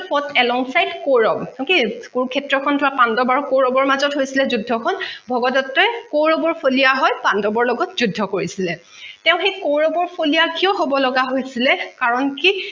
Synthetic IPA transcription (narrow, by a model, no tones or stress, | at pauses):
pɔtɛlɔŋsajdkoɹɔbɔkikuɹukʰɛtɹɔkʰɔntʊwapandɔbaɹukoɹɔbɔɹmazɔtɦojsilɛzudʱːɔkʰɔnbʱɔɡɔdɔtːɔkoɹɔbɔɹpʰolijaɦɔjpandɔbɔɹlɔɡɔtzudʱːɔkoɹisilɛ | tɛʊ̃xejkowɹɔbɔɹpʰolijakiɔɦobɔlɔɡaɦojsilɛkaɹɔnki